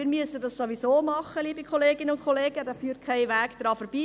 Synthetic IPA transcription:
iːɾmyəsədɑssoʋisoːmɑχːəliːbikχoleːɡɪnəʊntkʰχoleːɡ̥ədɑfyːrt̚kʰæɪʋæːɡd̥ɾɑːfɔɾb̥iː

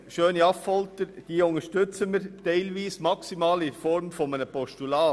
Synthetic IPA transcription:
ʃøːniɑffɔlt̪əɾd̥iːʊŋəʃtʏt͡səməɾtɛɪlʋiːsmɑksimɑːlɪfɔɾmfɔmənəpɔʃtulɑː

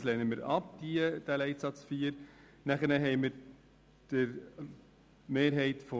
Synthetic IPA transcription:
lɛːnəməɾɑp̚d̪̥iəd̥ælɛɪtsɑt͡sfiːəɾ | næχənəɦɛɪməɾ | d̥ɪɾ | meːɾɦɛɪt̪fɔ

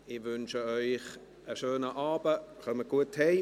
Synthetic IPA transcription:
ɪʋʏnʃəɔʏχ | əʃøːnəʔaːbəχœməɡ̥uəthɛɪ

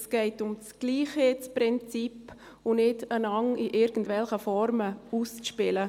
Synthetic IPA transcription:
sɡ̥ɛɪtʊmt͡sɡ̥liːχet͡spɾɪnt͡sip | ʊnɪdənɑŋiʔɪɾɡ̥n̩tdvɛlχəfɔɾməust͡sʃpɪlə

